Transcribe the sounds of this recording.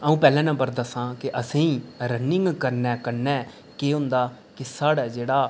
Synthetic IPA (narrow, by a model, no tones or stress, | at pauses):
əũːpɛːlɛ̃ːnãbəɾd̪əsãːkɪʔəsĩːɾənɪ̃ŋɡkəɾnɛ̃ːkəɾnɛː | keːɦʊ̃nd̪aː | kɪsaːɽːd͡ʒeːɽaː